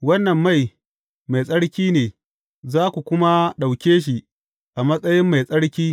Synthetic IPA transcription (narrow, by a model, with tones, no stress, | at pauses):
wɐ˦nːɐ˨mːa˦˨j | ma˨jsʼɐ˦ɽkʲiː˦neː˨ | zaː˦kʷu˨kʷʊ˦ma˦ɗa˨wkʲeː˦ʃ̬i˨ | ʔa˨mɐ˦sʼɐ˦jɪ˦mːa˨jsʼɐ˦ɽkʲiː˦